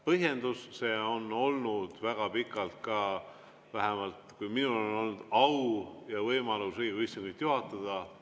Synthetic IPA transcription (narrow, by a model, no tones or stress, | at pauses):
pɤɦje̞nd̪usse̞ːo̞no̞lnud̪̥væɡ̥ɑpikːˑɑlt̪̚kɑ | væɦemɑlt̪kujminuloleno̞lnud̪̥ɑwjɑvɤjmɑlusejɡisiŋɡ̥ujt̪ːjuɦɑt̪ːˑɑd̪̥ɑ